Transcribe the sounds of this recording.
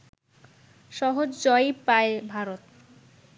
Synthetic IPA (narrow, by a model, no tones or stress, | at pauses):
ʃɔɦod͡ʑd͡ʑɔjpaebʱaɾot̪